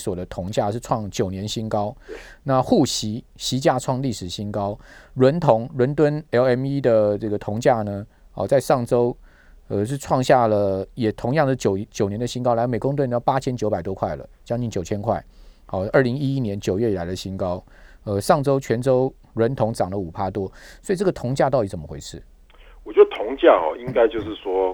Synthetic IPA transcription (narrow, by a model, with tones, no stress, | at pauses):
swɔ˨˩d̪ə˦t̪ʰʊ˧˥ŋt͡ɕja˥˧ʂɻ̩˥˧ʈ͡ʂʰwɑ˥˩ŋt͡ɕjo˨˩ʊnjɛ˧˦nɕi˥nkɑ˥ʊna˥˨xu˥˩ɕi˧˥ | ɕi˧˥t͡ɕja˥˧ʈ͡ʂʰwɑ˥˧ŋli˥˩ʂɻ̩˨˩ɕi˥nkɑ˦˥ʊɻwə˧˥nt̪ʰʊ˧˥ŋɻwə˧˥nt̪̬wə˦nɛ˧˥lɛ˧˥mi˦˥d̪ə˨ʈ͡ʂɤ˥˩ɡə˩t̪ʰʊ˧˥ŋt͡ɕja˥˩nə˩ | hɔ̰˨˧˩t͡sa˥˧ɪʂɑ˥˩ŋʈ͡ʂo˥ʊ | ə˧ʂɻ̩˥˧ʈ͡ʂʰwɑ˥˧ŋɕja˥˩lə˩jɛ˨˩t̪ʰʊ˧˥ŋjɑ˥˩ŋdə˥˧˩t͡ɕo˨˩ʊt͡ɕjo˨ʊnjɛ˧˥nd̪ə˧ɕi˥ŋkɑ˥ʊla˧˥˩me˨˩ɪkʊ˥ŋt̪̬e˥˩˨n˥˩˥pa˥t͡ɕʰjɛ˥nt͡ɕjo˧˥ʊpa˨˩ɪt̪wɔ˦kʰwa˥˩ɪlə̰˨˩t͡ɕjɑ˥ŋt͡ɕi˥˩ŋt͡ɕjo˨˩ʊt͡ɕʰjɛ˥nkʰwa˥˩ɪhɔ˨˩ə˞˥˩li˧˥ŋi˦˥i˦˥njɛ˧˦nt͡ɕjo˨˩ʊɥɛ˥˩i˨˩la˧˥ɪd̪ə˨˩ɕi˥nkɑ˥ʊ | ə˧ʂɑ˥˩ŋʈ͡ʂo˥ʊt͡ɕʰɥɛ˧˥nʈ͡ʂo˥ʊ | ɻwə˧˦˥nt̪ʰʊ˧˥ŋʈ͡ʂɑ˨˩ŋlə˦u˨˩pʰa˥t̪wɔ˦˥sɔ˧˥i˨˩ʈ͡ʂɤ˥˩ɡə˩t̪ʰʊ˧˥ŋt͡ɕja˥˧t̪ɑ˥˩ʊt̪i˧˥t͡smə˦xwe˧˥ɪʂʰɻ̩˥˩ | wɔ˨˩t͡ɕjɔ˧˥də˩t̪ʰʊ˧˦˥ŋt͡ɕja˥˨xɔ̰˨˩i˦ŋka˥ɪt͡ɕjo˥˧ʊʂ̩˥˩swɔ˥